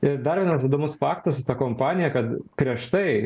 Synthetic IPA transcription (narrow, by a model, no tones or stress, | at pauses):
ɪɾd̪ɐɾʋʲiɛnɐsʋɐɪd̪oːmʊsfɑːkt̪ɐsʊt̪ɑkoːmpɑːnʲɪjɛkɐt̪pʲɾʲiɛʃt̪ɐɪ